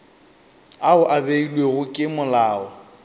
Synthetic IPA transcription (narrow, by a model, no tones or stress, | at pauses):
aʊʔabeilweɣʊkʼɪmʊlaːɔ̰